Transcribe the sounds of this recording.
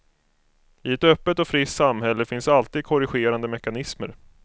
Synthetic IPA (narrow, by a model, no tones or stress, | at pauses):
ɪɛt̪œpːət̪ɔfɾɪt̪samːɦɛlːəfɪnsalt̪iːd̪̚kʰɔɾɪɧeːɾand̪əmɛkanɪsmə̰ɾ